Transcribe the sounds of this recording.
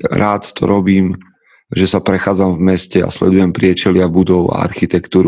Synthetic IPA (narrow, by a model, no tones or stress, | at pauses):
ɾaːt̪ːt̪ʰɔ̰ɾɔbiːm | ʒɛsapɾɛxaːd͡zamvmɛscɛa̰slɛ̰d̪ujɛmpɾɪɛt͡ʃɛlɪabud̪ɔʊa̰a̰ɾxit̪ɛkt̪uːɾu